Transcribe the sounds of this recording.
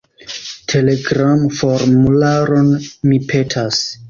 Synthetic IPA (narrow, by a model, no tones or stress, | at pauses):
tʰe̞leɡɾamfo̞ɾmulaɾo̞nmipʰe̞tʰas